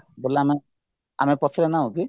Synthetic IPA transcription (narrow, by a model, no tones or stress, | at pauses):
bolːaame | a̰mepɔsʰɔɾenaũɡi